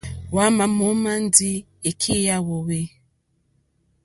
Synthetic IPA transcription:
wa˦ma˨mo˨˦ma˦n˦di˦ | e˨kʰi˦ja˦wo˨we˦

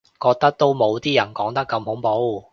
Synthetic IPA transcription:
kɔː˧k̚t̪ɐ˥k̚t̪o˥wmo˨˧wt̪iː˥jɐ˨˩nkɔː˨˥ŋt̪ɐ˥kːɐ˧mhʊ˨˥ŋpo˨˥w

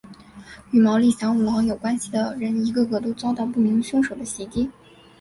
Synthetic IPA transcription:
y˥˩mɑ˧˥ʊli˥˩ɕjɑ˧˥ŋu˨˩wɑ˧˥ŋjo˨˩ʊkwa˥nɕi˨˩d̪ə˩ɻə˧˥ni˧˥ɡə˥˧kɤ˧˥˩t̪o˥ʊt͡sɑ˥t̪ɑ˥˧ʊpu˥˩mi˧˥ŋɕʊ˥ŋʂo˨˩ʊd̪ə˦ɕi˧˥t̪i˥

